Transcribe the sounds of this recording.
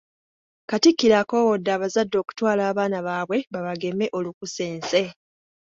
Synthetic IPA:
katikːiɾako̞ːwodːaːβazadːo̞ːku̥twaːlaːβaːnaβaːβwe̞βaβaɡe̞me̞ʔo̞lukuse̞ːnse̞

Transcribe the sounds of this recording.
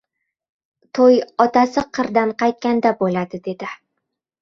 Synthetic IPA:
t̪ʰojɒt̪asɪqʰɨɾd̪anqɑjt̪̚kʲand̪abolad̪ɪd̪e̞d̪ɪ

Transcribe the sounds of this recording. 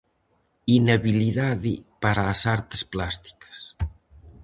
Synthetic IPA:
inaβiliðaðipaɾaːsaɾt̪e̥splast̪i̥kə̥s

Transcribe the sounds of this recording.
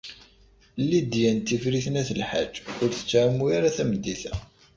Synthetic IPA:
lːid̪jænt̪ːifɾiθnæθəlħad͡ʒːʊɾθə̥t͡sːʕamːuaɾaθæməd̪ːiθæ

